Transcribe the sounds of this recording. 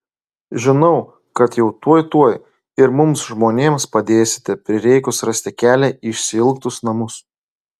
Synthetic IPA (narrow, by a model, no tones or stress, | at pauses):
ʒʲɪnɐʊ | kɐt̪jɛʊt̪uɔjt̪uɔj | ɪɾmʊmsʒmoːnʲeːmspɐd̪ʲeːsʲɪ̥t̪ʲɛpʲɾʲɪɾʲɛɪkʊsɾɐsʲt̪ʲɪkʲæːlʲɛɪʃʲsʲɪɪlˠkt̪ʊsnɐmʊs